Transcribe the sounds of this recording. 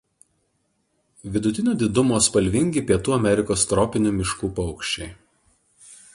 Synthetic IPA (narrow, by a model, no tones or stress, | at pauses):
ʋʲɪd̪ʊt̪ʲɪnʲoːd̪ʲɪd̪ʊmoːspɐlʲʋʲɪŋʲɡʲiːˑpʲiɛt̪uːɐmʲɛɾʲɪkoːst̪ɾɔpʲɪnʲuːmʲɪʃkuːpɐʊkʃʲt͡ʃʲɛɪ